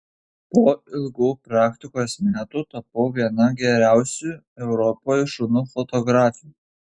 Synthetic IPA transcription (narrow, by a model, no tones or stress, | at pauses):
poːɪlˠɡuːpɾɑːkʲt̪ʲɪkoːsmʲæːt̪uːt̪ɐpɐʊʋʲiɛnɐɡʲɛɾʲæˑʊsʲuː | ɛʊɾɔpoːjʃʊnuːfɔt̪ɔɡɾɑːfʲɪju